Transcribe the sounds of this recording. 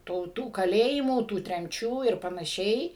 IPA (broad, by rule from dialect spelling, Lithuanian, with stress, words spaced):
ˈtuː tuː kɐˈlʲeːjɪmuː tuː tʲrʲɛmʲˈt͡ʃʲuː ɪr pɐnɐˈʃʲɛɪ